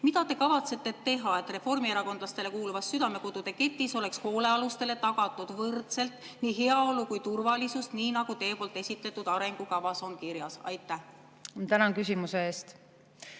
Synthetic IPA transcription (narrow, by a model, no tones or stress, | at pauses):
mid̪ɑt̪e̞kɑvɑt̪se̞t̪ːˑe̞t̪e̞ɦɑe̞t̪ːˑre̞fo̞rmieɾɑko̞nd̪̥lɑst̪e̞le̞kuːluvɑsːyd̪ɑme̞kod̪̥ud̪e̞ke̞t̪ːˑiso̞le̞ksho̞ːle̞ɑlust̪e̞le̞t̪ɑɡ̥ɑt̪ːˑud̪̥vɤrt̪se̞lt̪niːɦe̞ɑo̞lukujt̪urvɑlisust̪niːnɑɡ̥ut̪e̞ːpo̞ːlt̪ːˑe̞sʲit̪ˑle̞t̪ːˑud̪̥ɑɾe̞ŋɡukɑvɑso̞nkiɾjɑsɑ̰jt̪ːˑæh | t̪ænɑnkysʲimuseeːst̪